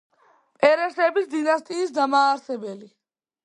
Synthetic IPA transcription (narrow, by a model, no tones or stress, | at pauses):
pʼɛɾɛsɛbisd̪inast̪ʼiːsd̪amaːɾsɛbɛli